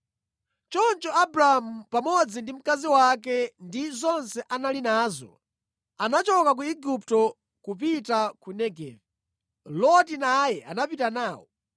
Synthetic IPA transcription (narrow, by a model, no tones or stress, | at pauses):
t͡ʃɔnt͡ʃɔabɾamupamɔd͡zindim̩kaziwak̬ɛndizɔnsɛʔanalinaːzɔ̰ | anat͡ʃɔkak̬uiɡup̚tɔ | kupitakunɛɡɛ̰ːvɛ | lɔtinajɛʔa̰napitanaːwɔ